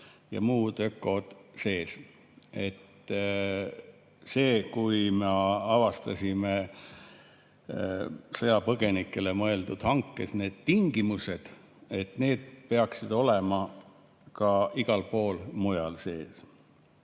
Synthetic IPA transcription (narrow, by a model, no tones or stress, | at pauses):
jɑ̰muːd̪ø̞kːˑo̞d̪̥se̞ːs | e̞t̪ː | se̞ːkujmeɑvɑst̪ɑsʲime | sɤjɑpɤɡ̥e̞nikːˑe̞le̞mɤe̞ld̪ud̪̥hɑŋkːˑe̞sne̞ːd̪̥̚t̪iŋɡ̥imuse̞d̪̥ | e̞t̪ne̞ːd̪̥̚pe̞ɑksid̪̥o̞lemɑ | kɑiɡ̥ɑlpo̞ːlmujɑlse̞ːs